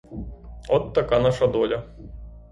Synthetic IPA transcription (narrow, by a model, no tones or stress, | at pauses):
ɔt̪ːɐkanaʂɐd̪ɔlʲɐ